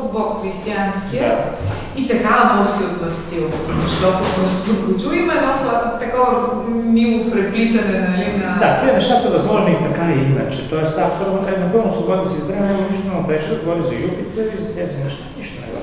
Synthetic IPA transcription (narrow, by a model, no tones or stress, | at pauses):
bɔkxɾist̪ianskijəa | it̪ɐkaɐb̪osiot̪vɐst̪ilˠ | zɐʃt̪ɔt̪opost̪ukut͡ʃ̪uimɛnost̪ɐkɔvəmiʊt̪pɾɛplit̪ɐnɛnɐlinɐd̪at̪iənɛʃt̪asɐvɐzmɔʒnit̪ɐkaiinɐ̰t͡ʃɛt̪ɔɛst̪at̪ɾmzɛnɐpəlˠnosˠobɔd̪nəsizbɾanɛɡoniʃt̪onɛmɐpɾɛt͡ʃt̪əɡovɔɾʲizɐjup̪it̪əizɐt̪ɛzinɛʃt̪aniʃt̪onɛ̰vɔ̰